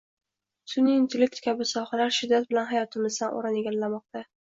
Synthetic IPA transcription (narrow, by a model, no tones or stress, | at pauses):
sʊniːnt̪ʰɪlɪk̚t̪kʰʲabɪsɒhalaɾʃɪd̪ːat̪̚bɪlanɦajɒt̪ʰɪmɪzd̪anʔo̰ɾaneɡʲalːamɒq̚t̪a